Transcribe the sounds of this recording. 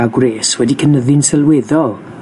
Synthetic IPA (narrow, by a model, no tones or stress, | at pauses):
aɡwreːswɛdikʰənəðɪnsɛlˠweðɔlˠ